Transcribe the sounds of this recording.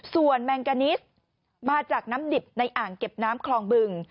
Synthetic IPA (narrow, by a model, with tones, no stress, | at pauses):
su˨˩ənmɛː˧ŋka˧ni˦˥s | maː˧t͡ɕaː˨˩k̚naː˦˥mdi˨˩p̚na˧jʔaː˨˩ŋke˨˩p̚naː˦˥mkʰlɔː˧ŋbɯ˧ŋ